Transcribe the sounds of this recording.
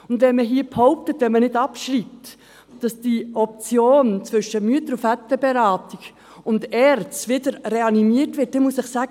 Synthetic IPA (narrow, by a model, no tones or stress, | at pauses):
ʊndʋɛnməɦiːəphɔʊp̚tətʋɛnmənɪdɑpʃɾip̚t | d̥ɑsd̥iɔp̚t͡sjoːnt͡svʏʃəmyətəɾufæt̪ːəb̥ɛɾɑːtiɡ | ʊndɛɾt͡sʋɪdəɾreɑnimiətʋɪt̚d̥ɛnmusɪχsæːɡ